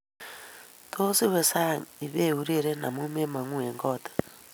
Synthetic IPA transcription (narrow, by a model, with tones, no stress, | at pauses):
tʰo˦si˦we˨sa˦˨i˨βe˦u˦ɾe˦˨ɾe˦na̰˨mu˦me˦ma˨ŋu˦e˨ŋɡɔ˦tḁ˨